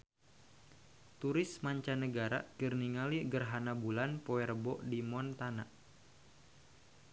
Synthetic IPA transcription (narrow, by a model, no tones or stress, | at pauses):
t̪uɾɪsmaɲt͡ʃanəɡaɾa̰kərniŋaliɡərɦanabulanpɔɛrbɔʔdimɔnt̪ana̰ʔ